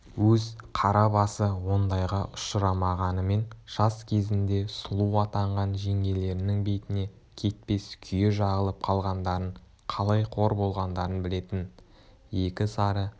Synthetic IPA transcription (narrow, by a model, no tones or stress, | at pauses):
wɵzqʰɑɾɑbɑsəwo̞nd̪ɑjʁɑʔʊ̥ʃəɾɑmɑʁɑnəme̞nʒ̥ɑskʲʰe̞zɪnd̪e̞sʊlˠuwɑt̪ɑɴʁɑnʒe̞ŋɡʲe̞le̞ɾɪnɪŋbe̞jt̪ɪne̞ | kʲʰe̞t̪̚pe̞skʲʰʏjeʒɑʁəlˠəp̚qʰɑlˠʁɑnd̪ɑɾəɴ | qʰɑlˠɑjqʰo̞ɾbo̞lˠʁɑnd̪ɑɾənbɪle̞t̪ɪn | je̞kʲɪsɑɾə